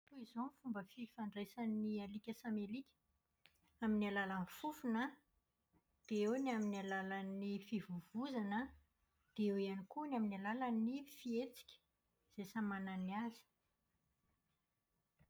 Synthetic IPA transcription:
t̪uizomfumbəfifaɳɖ͡ʐesanialikʲəsamelikʲə̥ | aminalalənfufunə | d̪̥eewniaminalalanifivuvuzanə | d̪̥eewianikunaminalalanifiet͡si̥kʲə̥ | z̥esamananiazi̥

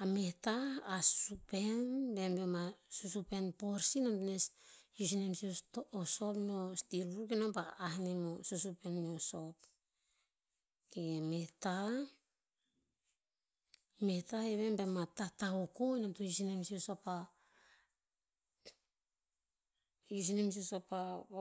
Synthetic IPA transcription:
ametaːsu̥supe̞nbe̞mbemasusupe̞npoɾsinamtunesjus̬inemsiostoso̞pnostiɾukenompaːhnemosusupe̞nmeoso̞p̚ | kemeta | me̞taeβe̞mbematataokojnamtojusinemsiosopa | jus̬inems̬iosopa

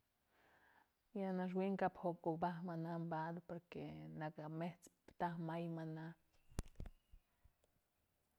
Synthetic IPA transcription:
janaʃ̬wiŋkaphokok̚bahmanambad̪poɾkenakameht͡s | t̪ahmajmana

